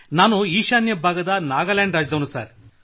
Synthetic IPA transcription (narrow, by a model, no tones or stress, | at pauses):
naːnuiːʃaːnjɐbʱaːɡɐd̪ɐnaːɡɐaːlaːɳɖɾaːd͡ʒɐd̪ɐʋnusa̰ːɾ